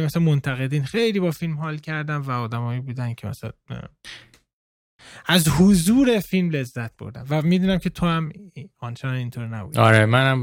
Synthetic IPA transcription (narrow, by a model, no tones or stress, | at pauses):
mæsænmont̪ʰæɣe̞d̪iːnxe̞jliːbɒːfilmhɒːlcʰæɾd̪ænvæɒːd̪æmɒːjibuːd̪æncʰemæ̰sn | æzhozuːɾe̞filmle̞zːæt̪̚b̥o̰ɾd̪æ̰mvæmiːd̪uːnæmcʰe̞t̪ʰohæmɒnt͡ʃʰenɒnint̪ʰoːɾnæ̰bṵd̪ɒɾemænæm